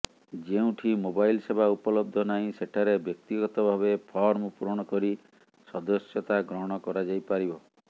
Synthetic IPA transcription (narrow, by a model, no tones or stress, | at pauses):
d͡ʒeũʈʰimobajlsebʱaupɔlɔb̚d̪ʱɔnaĩseʈʰaɾebjɔk̚t̪iɡɔt̪ɔbʱaβepʰɔɾmɔpuɾɔɽ̃ɔkɔɾi | sɔd̪ɔsjɔt̪aɡɾɔɦɔɽ̃ɔkɔɾad͡ʒajpaɾibɔ